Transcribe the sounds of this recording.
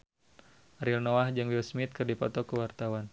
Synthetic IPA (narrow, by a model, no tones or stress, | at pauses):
aɾilnoahd͡ʒɨŋwilsmit̪̚kɨrdipɔ̰t̪ɔkəwart̪awan